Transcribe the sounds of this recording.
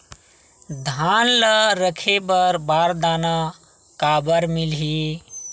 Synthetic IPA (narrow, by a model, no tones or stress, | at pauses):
d̪ʱanləɾəkʰebəɾbaɾd̪ana | kabəɾmilɦi